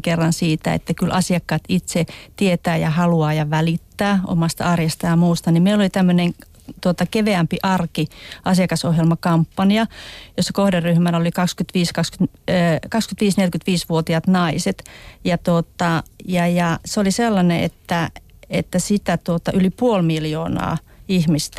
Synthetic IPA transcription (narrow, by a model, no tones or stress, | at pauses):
kerːɑnsiːt̪æ̰ḛt̪ːækylʔɑsiɑkːɑːt̪it̪set̪iet̪æːjɑhɑluɑːjɑʋælit̪ːæːʔo̰mɑst̪ɑ̰ɑrjɑst̪ɑjɑmuːst̪ɑnimeilolit̪æmːøneŋ | t̪uot̪ɑkeʋeæmpiʔɑrkiʔɑsiɑkɑsohjelmɑkɑmpːɑnjɑjosːɑ̥kohderryhmænolikɑkskyt̪ʋiːskɑkskyt̪ː | kɑkskyt̪ʋiːsnelkyt̪ʋiːsʋuot̪iɑt̪nɑiset̪jɑt̪ot̪ːɑjɑjɑseoliselːɑneʔḛt̪ːæ | et̪ːæsit̪æt̪uot̪ɑʔylipuolmiljoːnɑ̰ː | ihmist̪æ